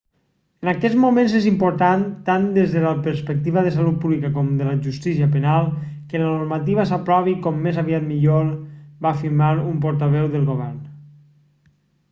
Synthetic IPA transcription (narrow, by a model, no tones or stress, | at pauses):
ənakɛd͡zmumẽnzezimpoɾt̪ant̪and̪ezðələpəɾspək̚t̪iβəðəsalut̪̚puβlikəkɔmd̪ələʒust̪isiəpənalˠkələnoɾmat̪iβəsapɾɔβikɔmːezaβiat̪miʎolbaːfiɾmaɾump̬ɔɾt̪aβɛwðəlˠɣoβ̞ɛɾn